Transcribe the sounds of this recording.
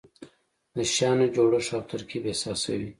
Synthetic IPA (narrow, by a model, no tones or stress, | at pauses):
d̪əʃɑnad͡ʒoɽaʂɑft̪əɾkʰebesɑsawi